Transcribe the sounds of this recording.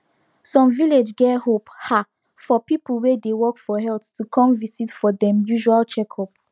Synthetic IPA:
sɔ̃mviled͡ʒɡɛhopha | fɔpipulwedewɔkfɔɦɛlttːukʰɔ̃mvisitfɔdɛ̃mjuʒualt͡ʃɛkʰɔp

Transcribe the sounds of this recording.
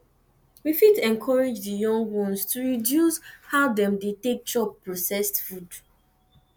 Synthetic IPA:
wifidɛ̃nkʰɔɹed͡ʒdijɔ̃ŋɡwɔ̃nstuɹidjushaʊdɛ̃mdetek̚d͡ʒɔpːɹɔsɛstfud

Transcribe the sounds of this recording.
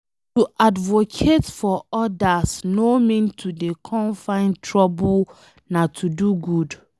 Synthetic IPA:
tuʔadvokʰetfɔɔdasnomĩntʰudekʰɔ̃nfãɪ̃ntʰɹɔbul | natʰuduɡud

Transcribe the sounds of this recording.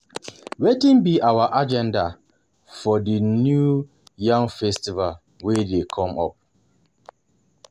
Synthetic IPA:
wetĩnbiʔawaʔad͡ʒɛ̃nda | fɔdinju | jãŋfɛstival | wedekʰɔ̃mɔ̰p̚

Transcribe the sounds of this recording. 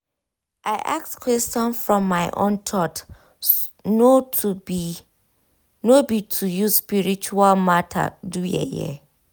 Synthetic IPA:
ʔaɪʔak̚skwɛstɔ̃nfɹɔ̃mːaɪʔõ̰ntʰɔt | no | nobitʰujuspiɹit͡ʃualmatʰa̰dujɛ̰jɛ̰

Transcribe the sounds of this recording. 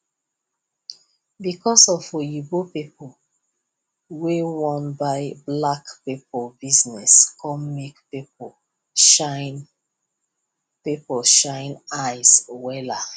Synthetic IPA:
bikɔsɔfojibopipɔ | wewɔ̃nbaɪblakpipɔlbiznɛskʰɔmmikpipo | ʃaɪn | pipɔʃãɪ̃naɪswɛla

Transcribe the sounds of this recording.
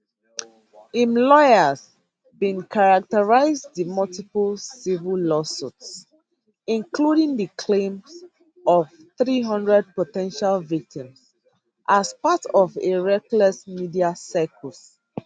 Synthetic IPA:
ĩmlɔjəz | bĩnkʰaɹak̚təɹaɪzðimɔltipəlsivilɔsuts | ĩnkluɾĩŋdəkʰlẽms | ɔvθɹiɦʌ̃ndɹɛd̚potɛ̃nʃalvik̚tʰĩms | ʔaspatɔveɹɛklɛsmidiasakʰɔls

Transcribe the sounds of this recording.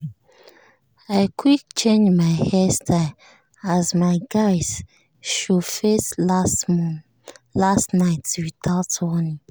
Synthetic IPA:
aɪkʰwik̚t͡ʃʰẽnd͡ʒmaɪhɛstʰa | azmaɪɡaɪz̥ | ʃofes | lastnaɪtswitʰaltʰɔni

